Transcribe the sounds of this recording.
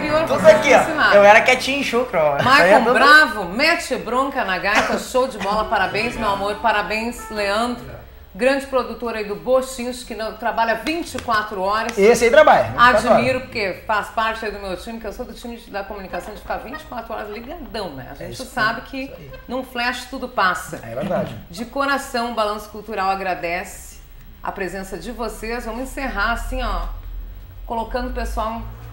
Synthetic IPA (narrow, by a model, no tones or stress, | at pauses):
ɾioɾvosãkiɔsinaewɛɾɐkɛt͡ʃĩĩʃukɾmajkõbɾavʊmɛt͡ʃɪbɾõkɐnaɡajkɐʃowd͡ʒɪbɔlɐpaɾabẽj̃zmewamoɾpaɾabẽj̃sleɐ̃nd̪ɾʊ | ɡɾɐ̃d͡ʒɪpɾod̪ut̪oɾɐid̪ʊboʃĩʃkɪnɐ̃w̃t̪ɾabaʎɐvĩnt͡ʃɪkwat̪ɾʊɔɾɐsesajt̪ɾabaʎɐ̃aad͡ʒimmiɾʊpʊɾkefaspaɾt͡ʃɪaid̪ʊmewt͡ʃĩmɪkɪewsod̪ʊt͡ʃĩmɪd͡ʒd̪ɐkomunikasɐ̃w̃d͡ʒɪfikavĩt͡ʃɪ̥kwat̪ɾʊɔɾɐzliɡad̪ɐ̃w̃nɛ̰a̰ʒẽt͡ʃɪsabɪkʰɪnũflɛʃɪ̥t̪ud̪ʊpasɐɛ̰veɾd̪ad͡ʒɪd͡ʒɪkoɾasɐ̃w̃ʊbalɐ̃sʊ̥kuwt̪uɾawaɡɾad̪ɛs | ɪ̥ | ɐ̰pɾezẽsɐd͡ʒɪvosezvɐ̃m̃ẽseɦaasĩɔ | kolokɐ̃nd̪ʊpesuaw̃